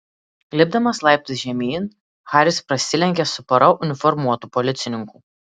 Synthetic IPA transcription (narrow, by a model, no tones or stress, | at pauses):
lʲɪb̚d̪ɐmɐslˠɑˑɪp̚ʲt̪ʲɪsʒʲɛmʲiːn | xɑːɾʲɪspɾɐsʲɪlʲɛŋʲkʲesʊpɐɾɐʔʊnʲɪfɔɾmuɔt̪uːpɔlʲɪt̪sʲɪnʲɪŋkuː